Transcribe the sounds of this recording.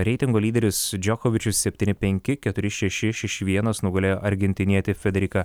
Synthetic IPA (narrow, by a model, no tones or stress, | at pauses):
ɾʲɛɪt̪ʲɪŋɡoːlʲiːd̪ʲɛɾʲɪsd͡ʒʲɔkɔʋʲɪt͡ʃʲʊssʲɛpʲt̪ʲiːnʲɪtpʲɛŋʲkʲɪkʲɛt̪ʊɾʲɪʃʲɛʃʲɪʃʲɛʃʲɪʋʲiɛnɐsnʊɡɐlʲeːjoːʔɐɾʲɡʲɛnʲt̪ʲɪnʲiɛt̪ʲɪfʲɛd̪ʲɛɾʲɪkɐ